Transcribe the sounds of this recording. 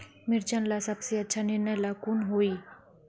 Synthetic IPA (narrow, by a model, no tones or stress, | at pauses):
mɪɾt͡ʃɐnlasɐbseɐtːʃʰanɪɾnəjlaːkunɦoːiː